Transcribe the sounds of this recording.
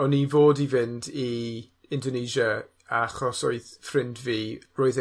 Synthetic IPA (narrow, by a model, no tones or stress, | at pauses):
ɔnivoːdivɪndi | ɪndɔneʒə | aχɔsoɨðfrɪndviːroːɨð